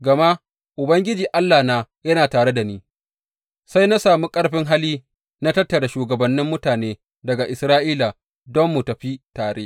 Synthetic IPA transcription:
ɡɐ˨ma˦ | ʔʊ˨bɐ˦ŋɡʲɪ˦d͡ʒiː˨ʔa˦lːaː˨naː˦jɐ˦naː˨taː˨ɽe˦da˨niː˦ | sa˦jna˦saː˨mu˦kʼɐ˦ɽɸɪ˦ŋɦa˦liː˦ | na˦tɐ˦tːɐ˨ɽa˨ʃuː˨ɡɐ˨bɐ˨nːɪ˦mːʊ˦taː˨neː˦ | dɐ˨ɡa˨ʔɪ˨sɾaː˦ʔiː˦la˨ | dɔ˦mːu˨tɐ˨ɸi˦taː˨ɽeː˦

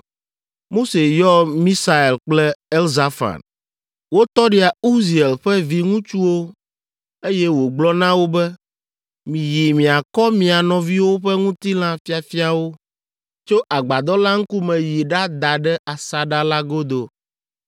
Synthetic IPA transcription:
mo˦se˨jɔ˦mĩ˦sa˨e˨lk͡plɛ˦ɛ˦lza˦fa̰˨n | wo˦t̪ɔ˦ɖi˦a˨u˦zi˨e˨lɸɛ˦vi˨ŋũ˦t͡ʃu˦wo˦ | e˦jɛ˦wo˨ɡ͡blɔ˦nã˦wo˦bɛ˦ | mĩ˨ji˨mĩ˨a˨kɔ˦mĩ˨a˨nɔ̃˨vi˦wo˦ɸɛ˦ŋũ˦t̪i˦lã˦fi˦a˨fi˦a˨wo˦ | t͡ʃo˦ʔa˨ɡ͡ba˨d̪ɔ˦la˦ŋ̩˦ku˦mɛ̃˨ji˨ɖa˦d̪a˨ɖɛ˦a˨sa˨ɖa˦la˦ɡo˦d̪o˨

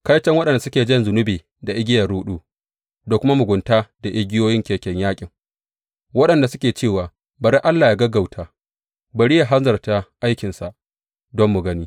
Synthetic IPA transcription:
ka˦jt͡ʃɛ˦ŋwɐ˦ɗɐ˨nda˨sʊ˦kʲeː˨d͡ʒɐ˦nzʊ˨nʊ˦beː˨ | da˨ʔɪ˦ɡʲɪ˦jɐ˨ɾuː˦ɗuː˦ | da˨kʷʊ˦ma˦mʊ˨ɡʷʊ˨ntaː˦da˨ʔɪ˦ɡʲɪ˦joː˦jɪ˦ŋkʲeː˨kʲɛ˦ɲjaː˦kʲʼɪ˨ŋ | wɐ˦ɗɐ˨nda˨sʊ˦kʲeː˨t͡ʃeː˦˨waː˨ | bɐ˨ɾe˦ʔa˦lːaː˨ja˨ɡɐ˦ɡa˨wtʰaː˨ | bɐ˨ɽi˦ja˨ɦa˦nzɐ˨rta˨ʔa˦jkʲɪ˨nsa˨ʔ | dɔ˦mːʊ˨ɡɐ˦niː˦

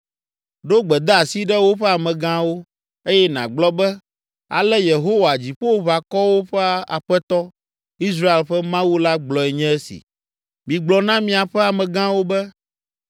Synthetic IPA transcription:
ɖo˦ɡ͡bɛ˨d̪ɛ˦a˨si˦ɖɛ˦wo˦ɸɛ˦a˨mɛ̃˨ɡã˦wo˦ | e˦jɛ˦nã̰˨ɡ͡blɔ˦bɛ˦ | a̰˨lɛ˦je˨ɦo˦wa˨d͡ʑi˨ɸo˦wβa˨kɔ˦wo˦ɸɛ˦a̰˨ɸɛ˦t̪ɔ˦ | i˦s̬ɾa˦e˨lɸɛ˦mã˦wu˦la˦ɡ͡blɔ˨ɛ˨ɲɛ̃˦ɛ˦sḭ˨ | mĩ˨ɡ͡blɔ˨nã˦mĩ˦a˨ɸɛ˦a˨mɛ̃˨ɡã˦wo˦bɛ˦

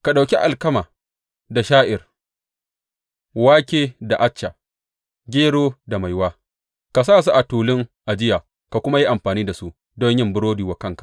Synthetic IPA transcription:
ka˨ɗa˨wkʲi˦ʔa˨lkɐ˦maː˨ | da˨ʃaː˦ʔɪ˨r | waː˦kʲeː˦da˨ʔa˦t͡ʃːa˨ | ɡʲeː˦ɽoː˦da˨ma˨jwaː˦ | ka˨s̬aː˦˨s̬u˦ʔa˨tuː˨lɪ˦ŋʔa˨d͡ʒɪ˦ja˨ | ka˨kʷʊ˦ma˦ji˦ʔa˨mɸaː˨niː˦da˨su˦ʔ | do˦ɲ˦jɪ˦mbʊ˦ɽoː˦diː˨wa˦kɐ˦ŋkḁ˨

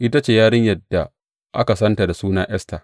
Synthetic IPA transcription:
ʔɪ˦ta˦t͡ʃeː˨jaː˦ɽɪ˦ɲjɐ˨dːa˨ | ʔa̰˦ka˨sɐ˦nta˨da˨suː˦naː˦ʔɛ˦sta˨

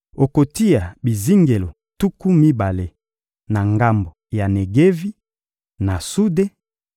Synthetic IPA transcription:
o˨ko˨ti˦ja˨bi˨zi˦ŋɡe˨lo˨ | tu˦ku˦mi˦ba˨le˨ | na˨ŋɡa˦mbo˨ja˨ne˨ɡe˦vi˦ | na˨su˦de˦

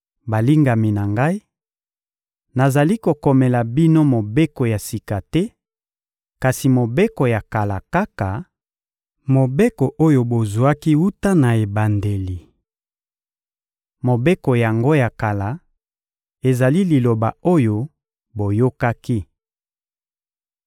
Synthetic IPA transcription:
ba˨li˦ŋɡa˨mi˨na˨ŋɡa˦i˦ | na˨za˨li˦ko˨kɔ˨mɛ˨la˨bi˦no˦mo˨be˦ko˨ja˨si˨ka˨tɛ˦ | ka˨si˨mo˨be˦ko˨ja˨ka˨la˨ka˦ka˨ | mo˨be˦ko˨ʔo˦jo˨bo˨zu˨a˦ki˦u˦ta˦na˨e˨ba˨nde˨li˨ | mo˨be˦ko˨ja˨ŋɡo˦ja˨ka˨la˨ | e˨za˨li˦li˨lo˨ba˨o˦jo˦ | bo˨jo˦ka˦ki˦

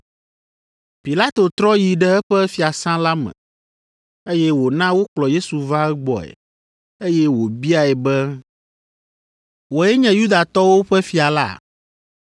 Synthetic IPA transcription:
pi˨la˦t̪o˨t̪ɾɔ˦ji˨ɖɛ˦ɛ˦ɸɛ˦fi˨a˨sã˦la˦mɛ̰̃˨ | e˦jɛ˦wo˨nã˦wo˦k͡plɔ˨je˦su˨va˦ɛ˦ɡ͡bɔ̰˨ɛ̰˨ | e˦jɛ˦wo˨bi˦a˨ɛ˨bɛ˦ | wo˨ɛ˦ɲɛ̃˦ju˦d̪a˨t̪ɔ˦wo˦ɸɛ˦fi˨a˨la̰˦˨

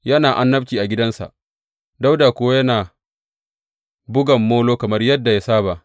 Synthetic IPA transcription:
jɐ˦naː˨ʔa˦nːɐ˦bt͡ʃiː˨ʔa˨ɡʲɪ˦dɐ˦nsa̰˨ʔ | da˦wdaː˨kʷʊ˦wa˦jɐ˦naː˨ | bʊ˦ɡɐ˨mːoː˦loː˦kɐ˨mɐ˦rjɐ˦dːa˨ja˦saː˦ba˨

